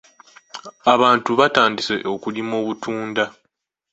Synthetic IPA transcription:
aβaːntuβataːndisḛʔokulimoːβutʰuːnda

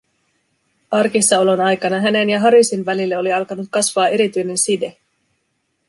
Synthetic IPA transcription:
ɑrkisːɑo̞lo̞nɑjkɑnɑɦæne̞njɑɦɑɾisinʋælilːeo̞liɑlkɑnut̪̚kɑsʋɑːʔe̞ɾit̪yjne̞nside̞

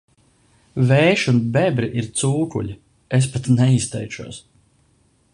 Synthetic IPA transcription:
vɛːʃunbɛbɾiʔiɾt̪suːkṵʎʲi | espat̪nɛist̪ɛjt͡ʃuɔs

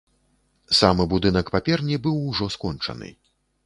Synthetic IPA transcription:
samɨbud̪ɨn̪ɐkpapʲɛrnʲibɨwuʐɔskɔnt͡ʂɐ̰nɨ̰

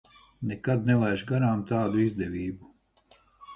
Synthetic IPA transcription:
nekad̪nɛlˠajʒɡaɾaːmt̪aːd̪uizd̪ɛvʲiːbu

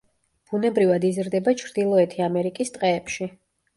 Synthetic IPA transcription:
b̥unɛbɾivad̪izɾd̪ɛbat͡ʃʰɾd̪ilˠɔɛt̪ʰiamɛɾikʼist̪ʼqʼɛːpʃi

